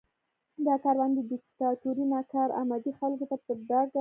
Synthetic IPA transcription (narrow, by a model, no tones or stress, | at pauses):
d̪ɑkɑɾwand̪əd̪ɪkt̪ɑt̪uɾinɑkɑɾa̰mad̪ixalkot̪apəd̪ɑa